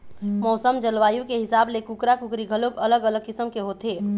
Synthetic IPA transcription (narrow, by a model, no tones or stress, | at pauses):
mɔːsəmd͡ʒəlʋaːjukeɦisablekukɾakukɾiɡʱəloɡələɡələɡ̚kisəmkeɦot̪ɦe